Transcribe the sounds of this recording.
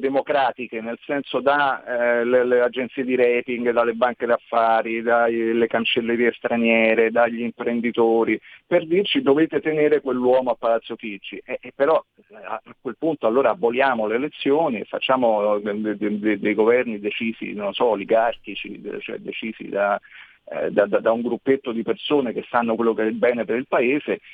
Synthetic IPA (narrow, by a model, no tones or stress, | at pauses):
d̪emokɾaːt̪ikenelsɛnsod̪alelead͡ʒːent̪siːed̪iɾɛpiŋɡd̪alːebaŋked̪afːaːɾid̪alekant͡ʃelːeɾiːest̪ɾanjɛːɾed̪aʎːiimpɾend̪it̪oːɾiperd̪irt͡ʃid̪oveːt̪et̪eneːɾekwelːwɔːmoapːalat̪sːjofid͡ʒːiʔɛpːeɾɔ | a̰akwelpunt̪oalːoːɾaːbːoljaːmoleːlet̪sːjoːniḛfa̰t͡ʃːaːmod̪ed̪ed̪ejɡovɛrnid̪et͡ʃiːzḭnonsɔliɡarkit͡ʃḭt͡ʃoɛ̰d̪et͡ʃiːzḭd̪a | d̪ad̪ad̪auŋɡɾupːet̪ːod̪ipersoːnekesːanːokwelːokeɛbɛːnepeɾilpaeːze